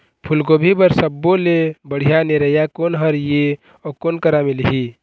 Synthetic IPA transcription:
pʰʊlkobʱibəɾsəbːolebəɽ̤ijaneɾəjakoːnɦəɾje | ɔːkoːnkəɾamɪlɦiː

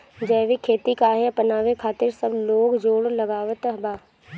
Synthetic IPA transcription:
d͡ʒəːʋikʰeːt̪ikaːɦeɐpənaːʋekʰaːt̪ɪɾsəbloːɡd͡ʒoːɽlɐɡaːʋət̪əɦbaː

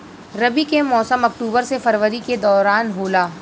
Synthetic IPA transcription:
ɾɐbikemɔːsəmɐk̚ʈuːbəɾsefɐɾʋəɾiked̪ɔːɾaːnɦoːlaː

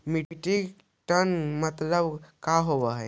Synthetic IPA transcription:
miʈiɡ | ʈənmət̪ləbkaɦobəɦɛ

